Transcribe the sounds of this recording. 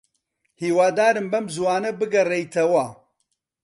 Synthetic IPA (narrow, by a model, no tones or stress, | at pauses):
hiːwaːd̪aːɾɨmbɐmzwaːnɐbɨɡɐrejt̪ʰɐwɐ